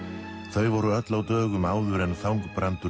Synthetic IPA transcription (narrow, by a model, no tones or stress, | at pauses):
θœɥvɔɾʏœt̪lawt̪œːɣʏmaːwðʏɾɛnθawŋkpɾant̪ʏ